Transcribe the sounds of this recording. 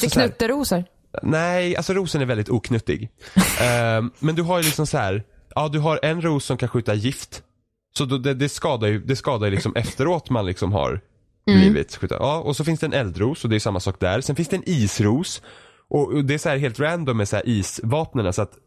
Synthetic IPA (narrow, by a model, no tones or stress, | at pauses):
sknɵt̪ːəɾuːsəɾ | nɛa̰lsɔɾuːsənæɾvɛld̪ɪt̪uːkʰnɵt̪ːɪ̰ɡ | mɛnd̪ɵɦajlɪksɔmsahæːɾ | ʔɑːd̪ɵɦaɾɛnɾuːsːɔmkʰanɧʉ̟ːt̪aɾjɪft̪ | sɔd̪ɔd̪ɛd̪ɛskɑːd̪ajɵd̪ɛskɑːd̪ajʏlɪksɔmʔɛft̪əɾoːt̪manlɪksɔmɦa̰ɾ | bliːvɪ̰t̪ɧʉ̟ːt̪a̰ʔɑːɔsɔfɪnsd̪ɛnɛld̪ɾuːsɔd̪ɛæɾjʏsamːasɑːk̚d̪æ̰ɾsɛnfɪnsd̪ɛniːsɾuːs | ʔɔd̪ɛæsɔhæːɾɦeːlt̪ɾænd̪ɔmːɛshæ̰ːɾʔiːsvɑːpnənasɔat̪